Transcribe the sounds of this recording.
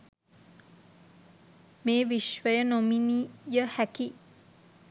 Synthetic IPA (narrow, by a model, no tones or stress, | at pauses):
meːʋiʃʋəjənominijəhæki